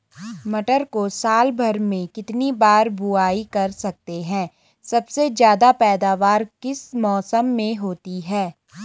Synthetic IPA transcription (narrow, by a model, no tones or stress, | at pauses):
mɐʈəɾkosaːlbʱɐɾmẽkɪt̪nibaːɾbʊaːikɐɾsɐk̚t̪eɦɛ̃ː | sɐbsed͡ʒjaːd̪apɛːd̪aːʋaːɾkɪsmɔːsəmːẽɦoːt̪iɦɛː